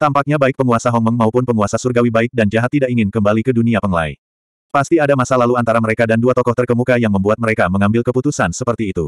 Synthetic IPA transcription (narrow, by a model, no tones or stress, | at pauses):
t̪ampak̚ɲabaɪk̚pəŋuasaɦɔŋməŋmaupʊnpəŋuasasurɡawibaɪk̚dand͡ʒaɦat̪ːidaʔiŋɪnkəmbalikəduniapəŋla̰i | past̪iadamasalaluant̪aɾaməɾekadanduat̪ɔkɔht̪ərkəmukajaŋməmbuat̪̚məɾekaməŋambɪlkəput̪usansəpərt̪iːt̪ṵ